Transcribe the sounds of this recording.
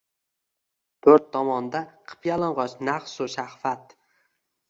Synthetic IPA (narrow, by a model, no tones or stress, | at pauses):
t̪ʰɵɾt̪ʰːɒmɒnd̪aqʰɨ̥pjalˠɨɴʁɒt͡ʃnaχsʊʃahfat̪̚